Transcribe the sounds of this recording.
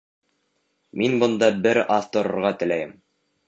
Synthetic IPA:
minbɤ̆nd̪ɑbɘɾɑθt̪ŏɾŏɾʁɑt̪ɘ̆læjɘm

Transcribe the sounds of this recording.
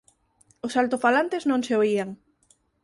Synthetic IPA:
ʊsalt̪ofalant̪eznõŋseoiaŋ

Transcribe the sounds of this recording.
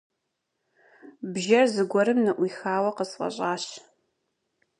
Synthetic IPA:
bʒɐrzɨɡʷɔɾɨmnɨʔʷiːxaːwɐqəsfʼɐ̰ɕʼaːɕ

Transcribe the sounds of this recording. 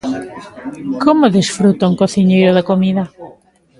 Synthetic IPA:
komʊðesfɾut̪ɐuŋkoθiɲejɾʊðɐkomiðɐ

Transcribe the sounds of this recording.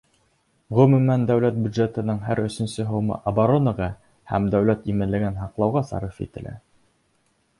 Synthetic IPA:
ʁɵ̆mʉmænd̪æwlæt̪̚bʲjud̪ʒet̪ɤ̆nɤɴɦæɾɵ̆sɵ̆nsɵɦŏwmɤ̰ʔɐbaɾonɑʁɑ | hæ̰md̪æwlæt̪imɘ̆nlɘ̆ɡɘnɦɑqlˠɑwʁɑsɑ̰ɾifḭt̪ɘ̆læ̰

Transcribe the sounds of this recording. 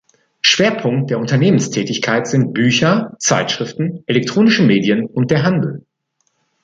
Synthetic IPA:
ʃv̥eːɐpʰʊŋkt̚d̥eːɐʊntɐneːmənstʰɛːtɪçkʰaɪtz̥ɪnt̚b̥yːçɐt͡sa̰ɪtʃʁ̥ɪftn̩ʔɛlɛk̚tʁ̥oːnɪʃəmeːdjənʊnt̚d̥eːɐɦandl̩

